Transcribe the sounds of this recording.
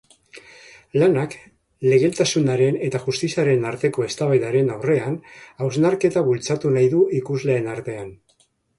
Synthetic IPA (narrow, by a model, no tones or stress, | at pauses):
lanak | le̞ɣ̞e̞lt̪asunaɾe̞ne̞t̪aʝust̪isiaɾe̞naɾt̪e̞ko̞e̞st̪aβajðaɾe̞nawre̞anawznaɾke̞t̪aβult͡sat̪unajðuikuzle̞ːnaɾt̪e̞an